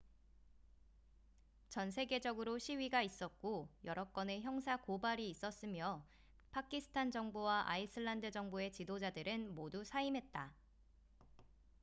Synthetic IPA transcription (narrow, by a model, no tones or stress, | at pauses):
t͡ɕʌnsʰe̞ɡe̞d͡ʑʌɡɯɾoɕʰiɥiɡais͈ʌt̚k͈ojʌɾʌk͈ʌne̞çjʌŋs̬ʰakobaɾiːs͈ʌs͈ɯmjʌ | pʰakʰisʰɯ̥tʰand͡ʑʌŋbuwaʔa̰isʰɯɭːandɯd͡ʑʌŋbue̞t͡ɕidod͡ʑadɯɾɯnmodusʰaimɦe̞t̚t͈a